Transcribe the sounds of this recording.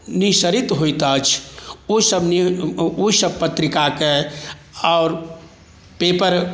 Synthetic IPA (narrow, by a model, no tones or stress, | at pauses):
nisəɾit̪ɦojt̪ət͡ʃʰoisəbnioisəb̚pət̪ɾikake | aːɾ | pepəɾ